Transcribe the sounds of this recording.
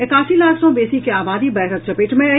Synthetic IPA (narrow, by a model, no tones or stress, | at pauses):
ɪkaːsilaːksõbeːsikeaːbaːd̪ibɛːɾət̪̚t͡ʃɐpeːʈmẽɐ